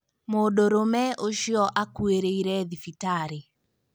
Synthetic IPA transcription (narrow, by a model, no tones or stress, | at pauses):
modoɾomɛʔoʃiɔʔakweɾeiɾɛðifitaɾe